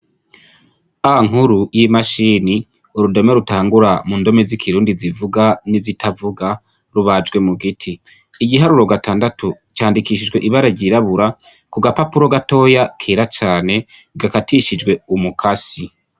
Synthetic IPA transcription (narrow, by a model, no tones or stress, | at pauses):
aaŋ̥huɾujimaʃiːni | uɾudo̞meɾutaːŋɡuɾamuːndo̞mezikʰiɾuːndizivuɡanizitʰavuɡa | ɾuβad͡ʒɡwe̞muɡitʰiː | ɡiɦaɾuɾo̞ɡatʰaːndatʰu | t͡ʃaːndikiʃid͡ʒɡwe̞ʔiβaɾaɾɟiɾaβuɾa | kuɡapapuɾo̞ɡato̞ːjakʰeːɾat͡ʃaːne̞ | ɡakatiʃid͡ʒɡwe̞umukʰasi